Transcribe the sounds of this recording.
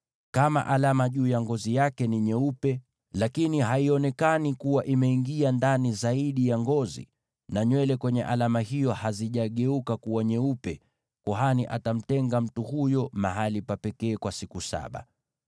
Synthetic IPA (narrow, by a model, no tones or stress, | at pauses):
kama̰ʔalamaʄuːjaŋɡɔzijakɛniɲɛupɛ | lakiniɦaiɔnɛkanikuwaʔimɛiŋɡiandanizaiɗijaŋɡɔzḭ | naɲwɛlɛkwɛɲɛ̰ʔalamahijɔhaziʄaɠɛukakuwaɲɛupɛ | kɔɦaniʔatam̩tɛŋɡam̩tuhujɔma̰ɦalipapɛkɛːkwasikusa̰ɓa̰